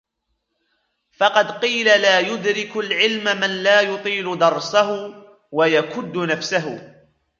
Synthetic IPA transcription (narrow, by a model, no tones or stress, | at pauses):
fɑqɑd̪qiːlalaːjʊd̪ɾɪkʊlʕɪlmamanlaːjʊt̪ˤiːlʊd̪ɑɾˤsahʊ | wajakʊd̪ːʊnafsaɦʊ